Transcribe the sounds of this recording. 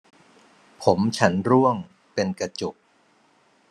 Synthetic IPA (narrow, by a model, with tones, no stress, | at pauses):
pʰo˩˦mt͡ɕʰa˦˥nɾu˥˩əŋ | pe˧nka˧t͡ɕo˨˩k̚